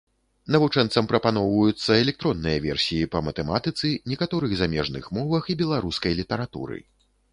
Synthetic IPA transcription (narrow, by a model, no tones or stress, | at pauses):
nɐvut͡ʂɛnt̪sɐmpɾɐpanɔwvɐjut̪sːɐɛlʲɛk̚t̪ɾɔnːɨjɐvʲɛ̰rsʲijipɐmɐt̪ɛma̰t̪ɨt̪sɨnʲɛkat̪ɔɾɨɣzamʲɛʐnɨ̰xmɔvɐxibʲɛlˠaɾuskɐjlʲit̪ɐɾat̪ṵɾɨ̰